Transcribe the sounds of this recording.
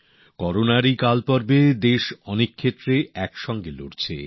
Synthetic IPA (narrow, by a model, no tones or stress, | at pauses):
kɔɾonaɾikalpɔɾbed̪eʃɔnekʰːet̪ːɾeɛkʃɔŋɡelo̰ɽt͡ɕʰḛ